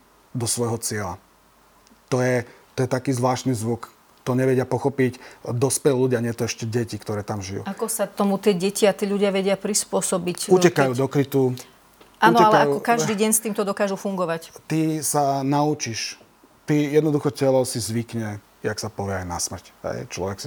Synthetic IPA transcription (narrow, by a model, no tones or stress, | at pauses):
d̪ɔsʋɔjɦɔt͡sɪɛla̰ | t̪ɔjɛ | t̪ɔjɛt̪akiːzʋlaːʃt̪niːzʋuk | t̪ɔɲɛʋɛɟɪapɔxɔpicd̪ɔspɛlluɟɪaɲɪɛt̪ɔɛʃcɛɟɛcikt̪ɔɾɛːt̪amʒijṵakɔsat̪ɔmut̪ɪɛɟɛciat̪iːʎuɟɪaʋɛɟɪapɾispʊɔsɔbicucɛkajuːd̪ɔkɾit̪u | ʔaunɔɛalkɛajukɔkaʒd̪iːɟɛɲst̪iːmt̪ɔd̪ɔkaːʒufuŋɡɔʋact̪isanaut͡ʃiʃ | t̪ijɛd̪nɔd̪uxɔcɛlɔʊsizʋikɲɛ | jaksapɔʋɪɛajna̰smr̩cɦɛ̰jt͡ʃlɔ̰ʋɛksi